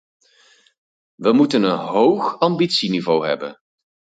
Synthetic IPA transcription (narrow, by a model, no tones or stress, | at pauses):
ʋəmutənənɦowχɑmbitsinivowɦɛ̰bə̰n